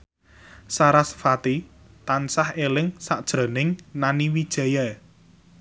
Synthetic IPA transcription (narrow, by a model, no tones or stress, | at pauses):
saɾasfat̪i | t̪ansahelɪŋsaʔd̥ʒ̥ɾə̤nɪŋnaniwid̥ʒ̥ɛ̤jɛ